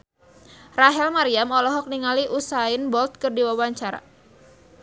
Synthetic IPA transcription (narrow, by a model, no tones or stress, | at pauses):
raɦɛlmaɾiamɔlɔɦɔk̚niŋaliʔusaɪnbɔlt̪̚kɨrdiwawaɲt͡ʃaɾa̰